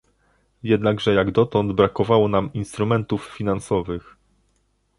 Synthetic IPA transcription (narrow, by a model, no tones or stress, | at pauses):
jɛd̪naɡʐɛjaɡd̪ɔt̪ɔnd̪bɾakɔvawɔnaminst̪ɾumɛnt̪uffʲinansɔvɘx